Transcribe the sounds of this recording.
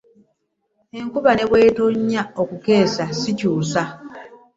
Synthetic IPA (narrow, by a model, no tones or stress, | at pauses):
e̞ŋkuβane̞βwe̞ːtoɲːaokuke̞ːsasicuːsa